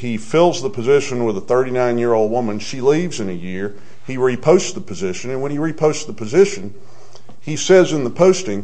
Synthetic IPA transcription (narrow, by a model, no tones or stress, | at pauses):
ifɪlˠzðəpʰɨzɪʃɨ̃nwəðəθɜ˞ɾinãɪ̃njɪɹoʊlˠd̚wʊmɨ̃nʃilivzɨ̃nɨjɪɹ | iɹipʰoʊstsðəpʰɨzɪʃɨ̃nɨ̃nwə̃niɹipʰoʊstsðəpʰɨzɪʃɨ̃n | isɛzɨ̃nðəpʰoʊstɪ̃ŋ